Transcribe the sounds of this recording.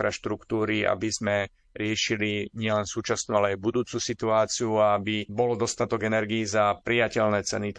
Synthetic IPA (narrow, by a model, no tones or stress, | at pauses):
ɾaʃt̪ɾukt̪uːɾia̰bizmɛ | ɾɪɛʃiliɲɪɛlɛnsuːt͡ʃasnualɛajbud̪uːt͡susit̪uaːt͡siuaabibɔlɔd̪ɔst̪at̪ɔɡɛnɛɾɡiːzapɾijacɛlnɛːt͡sɛ̰ni